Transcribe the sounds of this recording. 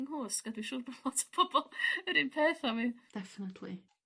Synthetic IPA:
ŋhoːsɡ̥adwiʃʊːrbɔlɔtʰḁpʰɔbɔlˠəɾɪnpʰeːθamid̥ɛfɪnətʰlḭ

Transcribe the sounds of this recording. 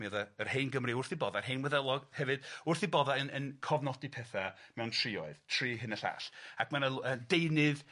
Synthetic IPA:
mɨðaərheɨnɡəmriʊrθibɔðarɦejnwɛðɛlˠɔɡhɛvɨd̥ʊrθibɔðaənənkʰɔvnɔdipʰɛθamɛwntʰrɪːɔɨðtʰr̥iːɦɨnəɬa̰ɬakʰmanaədejnɨð

